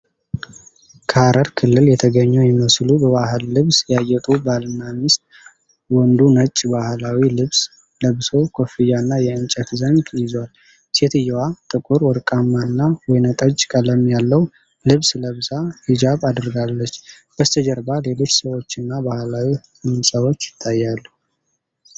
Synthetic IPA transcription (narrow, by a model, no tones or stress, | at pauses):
kʰaɾəɾkʰɨlːɨljɛt̪ʰəɡəɲːɛwjɪməslubəβahɨlːɨβsjɛajːɛt̪ʼubalɨnːamist̪̚ʼ | wɔnd̪unət͡ʃʼːbahlawilɨβs | ləβso̞kʰo̞fijanːajɛɨnt͡ʃʼət̪zəɲɡʼjɪzwal | set̪ʰɨjwat̪ʼɨkʼuɾwɔɾkʼamːanːawɔjnət̪ʼəd͡ʒkʼələmːjalːəw | lɨβsləβzaɪd͡ʒaβad̪ɾɡalːət͡ʃː | b̥əst̪ʰəd͡ʒəɾbale̞lo̞t͡ʃːsəwo̞t͡ʃːɪnːabahlawi | mɨmsʼəwo̞t͡ʃːjɪt̪ʰːajːalːu